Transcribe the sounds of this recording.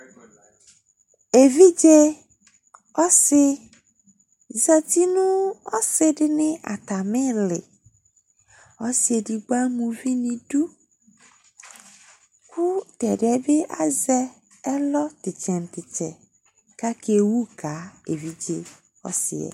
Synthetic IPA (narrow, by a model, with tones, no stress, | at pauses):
e˨vi˦d͡ʒe˦ | ɔ˦sɪ˦ | za˦ti˦nũ˦ɔ˦sɪ˦dɪ˦nɪ̃˦a̰˨ta˨mɪ̃˦lɪ̰˨ | ɔ˦sɪ˨˦e˨di˨ɡ͡ba˦mũ˨vi˦nĩ˨du˦ | kʊ˦tɛ˨dɪ˨ɛ˦be˦ʔa˦zɛ˦ | ɛ˦lɔ˦tɪ˨t͡ʃɛ˨n˨tɪ˨t͡ʃɛ̰˨ | ka˦kʰe˨wu˦kʰa˨˦e˨vi˦d͡ʒe˦ | ɔ̰˦sɪ̰˨ɛ̰˨